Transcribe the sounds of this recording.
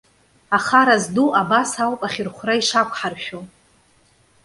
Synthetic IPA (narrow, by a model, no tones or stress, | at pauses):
aχaɾazduʔabasalpʼaχʲɪrχʷraiʂakʷʰʼħarʃᶣo